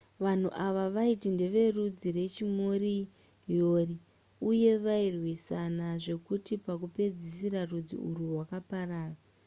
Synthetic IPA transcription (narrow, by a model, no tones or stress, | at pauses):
ʋan̤uʔaʋaʋaitinde̞ʋe̞rud͡ziɾe̞t͡ʃimori | joːri | uje̞ʋairwisanaʐe̞kutipakupe̞d͡zisiɾarud͡zḭuɾuwakaparaːra